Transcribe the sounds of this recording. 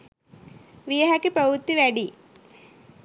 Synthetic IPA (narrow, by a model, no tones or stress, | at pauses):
ʋijɐɦɐkːipɾɐʋut̪ːiʋæɖi